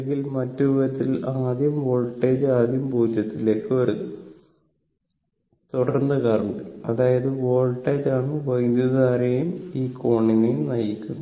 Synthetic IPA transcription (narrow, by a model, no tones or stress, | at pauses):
ŋɡilmɐtːuʋɐt̪ːilaːd̪jɐmʋoːɭʈːeːd͡ʑaːd̪jɐmbʱuːd̪ʱjɐt̪ːile̞ːkːɨɐɾuɨ | t̪uɽɐrnːɨkaːruɳɖɨɐðaːjɐðɨʋoːɭʈːeːd͡ʑaːɳɨʋɐjd̪jɐðaːɾejumiːko̞ːɳinejumnɐjikʲːunːɐ